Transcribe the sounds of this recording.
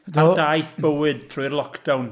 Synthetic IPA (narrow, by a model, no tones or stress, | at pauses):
dadajθb̥əwɨd̥̚tʰruːrlˠɔkʰd̥awn